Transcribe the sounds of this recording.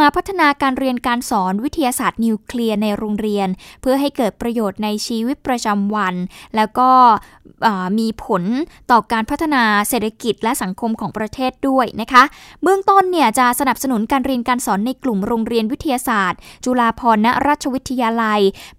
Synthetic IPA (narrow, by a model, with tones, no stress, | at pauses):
maː˧pʰa˦˥t̪ʰːa˧naː˧kaː˧nɾi˧ənkaː˧nsɔː˩˦nwi˦˥t̪ʰːa˧jaː˧saː˨˩t̪̚ni˧wkʰli˧əna˧jɾoː˧ŋɾi˧ənpʰɯ˥˩əɦa˥˩jkɤː˨˩t̪̚pɾa˧joː˨˩t̪̚na˧jt͡ɕʰiː˧wi˦˥t̪̚pɾa˧t͡ɕa˧mwa˧nlɛː˦˥wkɔː˥˩ | ʔaː˨˩miː˧pʰo˩˦nt̪ɔː˨˩kaː˧npʰa˦˥t̪ʰːa˧naː˧seː˨˩t̪ʰːa˧ki˨˩t̪̚lɛ˦˥sa˩˦ŋkʰo˧mkʰɔː˩˦ŋpɾa˧t̪ʰeː˥˩t̪̚du˥˩əjna˦˥kʰa˦˥ʔbɯ˥˩əŋt̪o˥˩nːi˥˩ət͡ɕa˨˩ʔsa˧na˨˩p̚sa˧nu˩˦nkaː˧nɾi˧ənkaː˧nsɔː˩˦nːa˧jklu˨˩mɾoː˧ŋɾi˧ənwi˦˥t̪ʰːa˧jaː˧saː˨˩t̪̚t͡ɕu˧laː˧pʰɔː˧nːa˦˥ɾaː˥˩t̪̚t͡ɕʰa˧wi˦˥t̪ʰːa˧jaː˧la˧j